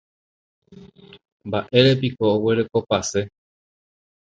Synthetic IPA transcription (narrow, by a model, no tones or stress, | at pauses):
mbaʔe̞ɾe̞p̬ikoːwe̞ɾe̞ko̞pase̞